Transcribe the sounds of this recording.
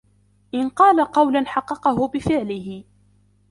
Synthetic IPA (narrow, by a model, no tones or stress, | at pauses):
ʔɪnqɑːlaqɑwlanħɑqːɑqɑɦʊbɪfɪʕlɪɦɪ